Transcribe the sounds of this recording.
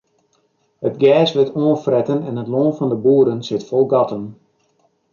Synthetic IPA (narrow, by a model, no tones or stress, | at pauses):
hətɡɛːsʋɪtoːənfrɛtənɛnətloːnfɑndəbuːɾənsɪtfɔlˠɡɑtəm